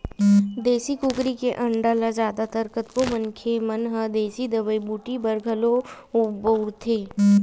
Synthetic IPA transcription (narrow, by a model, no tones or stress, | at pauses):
d̪eːsikukɾikeʔɐ̃ɳɖalazjaːd̪at̪ɐɾkət̪komənkʰemɐnɦəd̪eːsid̪əbəibuːʈibɐɾɡʱɐlo | ʊbəʊɾt̪ʰeː